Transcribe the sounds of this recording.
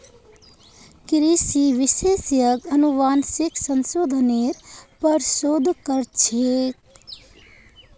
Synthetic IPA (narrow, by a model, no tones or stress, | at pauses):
kɾisiʋisesjəɡənuʋaːnsiksənsoːd̪ʱneɾpəɾsod̪ʱkəɾt͡ʃʰek